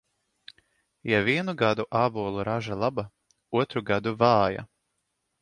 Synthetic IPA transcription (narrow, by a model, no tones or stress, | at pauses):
javiɛnuɡad̪uʔaːbuɔlˠuɾaʒalˠaba | uɔt̪ɾuɡad̪uvaːja̰